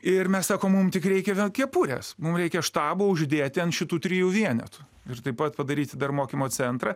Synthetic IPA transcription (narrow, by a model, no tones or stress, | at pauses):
ɪrmʲɛssɑːkoːmmʊmt̪ʲɪkɾʲɛɪkʲɛʋʲiɛnkʲiɛpuːɾʲḛsmʊmɾʲɛɪkʲɛʃt̪ɑːboʊʒʲd̪ʲeːt̪ʲɪɐnʃʲɪt̪uːt̪ʲɾʲɪːjuːʋʲiɛnʲɛ̰t̪ʊ̥ | ɪrt̪ɐɪpɐt̪pɐd̪ɐɾʲiːt̪ʲɪd̪ɐrmoːkʲimoːt͡sʲɛnt̪ɾɐ